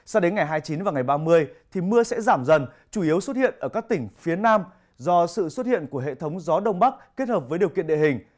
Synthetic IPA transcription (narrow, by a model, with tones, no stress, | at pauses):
sa˧ɗe˨˦nŋa˨˩jɦaː˧jt͡ɕi˨˦nvaː˨˩wŋa˨˩jɓaː˧mɨ˧əjt̪ʰi˨˩mɨ˧əsɛ̰˧˥zaː˧˩mzə˨˩n | t͡ɕu˧˩ʔi˨˦əwsə˦˥t̚hḭ˧˨ənʔəː˧˩kaː˦˥k̚t̪ï˧˩ŋ̟fi˨˦ənaː˧m | zɔ˧sɨ̰˧˨swə˦˥t̚hḭ˧˨ənku˧˩əɦḛ˧˨t̪ʰə˨˦wŋ͡mzɔ˨˦ɗə˧wŋ͡mɓa˦˥k̚kːe˦˥t̚həː˨˩p̚və˨˦jɗəwkḭ˧ənɗḛ˧˨hï˨˩ŋ̟